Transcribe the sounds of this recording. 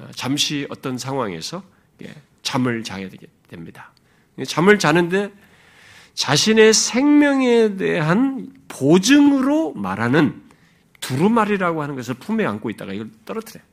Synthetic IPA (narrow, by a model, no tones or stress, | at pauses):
t͡ɕamɕʰiʌt͈ʌnsʰaŋɦwaŋe̞̰sʰʌ | ikʰḛ | t͡ɕamɯɭt͡ɕajaɡed̥we̞mɲida | t͡ɕamɯɭt͡ɕanɯnde̞ | t͡ɕaɕʰine̞sʰe̞ŋmjʌŋe̞deɦan | pod͡ʑɯŋɯɾomaɾɦanɯn | tuɾumaɾiɾaɡohanɯnɡʌs̬ʰɯɭpʰumea̰nk͈oit̚t͈a̰ɡaiɡʌɭt͈ʌɾʌtʰɯɾej